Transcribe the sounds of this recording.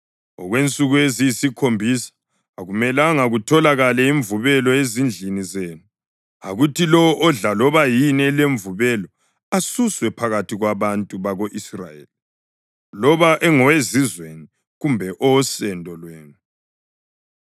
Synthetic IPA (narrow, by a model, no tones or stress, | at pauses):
ɔ̰ɣwent͡sʼuɣuezijisikʰombʱisḁː | ɣumɛlaŋaɣutʰɔlaɣalɛiɱvuβɛlɔezind͡ɮʱinizenu | a̰ɣutʰilɔwɔʔɔɮalɔβajinɛleɱvuβɛlɔ | asuswɛpʰaɣatʰiɣwaβantʼuβaɣoʔisra̰jḛːli | lɔβaʔɛŋɔwezizweni | ɣumbʱɛʔɔsɛndʱɔlwɛːnu